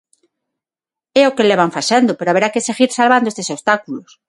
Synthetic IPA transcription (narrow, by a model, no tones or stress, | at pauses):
eokeleβaɱfasend̪opeɾoaβeɾakeseɣiɾsalβand̪oest̪esost̪akulos